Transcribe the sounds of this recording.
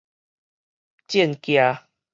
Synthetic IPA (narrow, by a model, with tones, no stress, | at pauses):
t͡ɕje˥˦˨nkja˧